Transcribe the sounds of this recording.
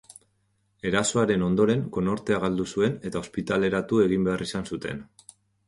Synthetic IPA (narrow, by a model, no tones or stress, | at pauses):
e̞ɾaso̞aɾe̞no̞nd̪o̞ɾe̞ŋko̞no̞ɾt̪e̞aɣald̪usue̞ne̞t̪ao̞spit̪ale̞ɾat̪ue̞ɣ̞imbe̞arʔisansut̪e̞̰n